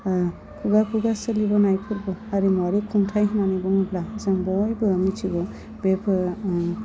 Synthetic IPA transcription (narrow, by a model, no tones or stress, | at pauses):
pʰuɡapʰuɡasɯlibɔnajpʰɯɾbɔaɾimɔɾikʰuŋtʰajɦnanibɔŋɯblazaŋbɔjbɯamit͡ʃʰiɡɔ | bepʰɯ